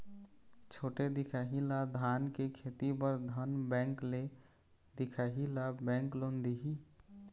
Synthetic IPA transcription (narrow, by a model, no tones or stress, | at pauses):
t͡ʃʰoːʈed̪ɪkʰaɦilad̪ʱaːnkekʰeːt̪ipəɾd̪ʱənbɛ̃ːŋkle | d̪ɪkʰaɦilabɛ̃ŋklond̪iɦi